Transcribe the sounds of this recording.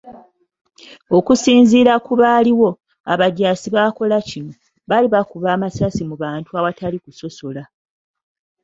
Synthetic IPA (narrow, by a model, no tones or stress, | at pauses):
o̞kusiːnziːɾakuβaːliwo̞ | a̰βaɟaːsiβaːko̞lacino̞ | βaliβakuβaːmasasimuβaːntuawatalikuso̞so̞la